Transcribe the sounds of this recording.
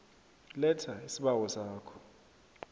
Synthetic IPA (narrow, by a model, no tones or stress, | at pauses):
lɛtʰaisiɓawɔsaːkʰɔ̥